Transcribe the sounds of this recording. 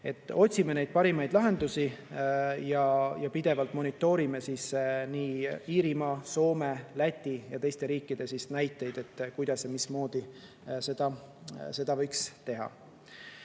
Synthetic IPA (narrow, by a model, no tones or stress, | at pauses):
e̞t̪ːˑo̞tʲsime̞ne̞jd̪̥̚pɑɾimɑjd̪lɑɦe̞nd̪̥usi | jɑjɑpid̪̥e̞vɑlt̪ˑmo̞nʲit̪ːˑo̞ːɾime̞sisniːiːɾimɑso̞ːme̞læt̪ʲːijɑt̪e̞jst̪e̞ɾiːkːˑid̪̥e̞sisnæjt̪ːˑe̞jd̪̥e̞t̪ːkujd̪̥ɑsːemismo̞ːd̪̥i | se̞d̪̥ɑse̞d̪ɑvɤ̞jkst̪e̞ɦɑ̰